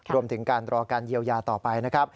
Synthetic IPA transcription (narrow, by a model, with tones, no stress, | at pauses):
ɾu˧əmt̪ʰɯ˩˦ŋkaː˧nɾɔː˧kaː˧nji˧əwjaː˧t̪ɔː˨˩pa˧jna˦˥kʰɾa˦˥p̚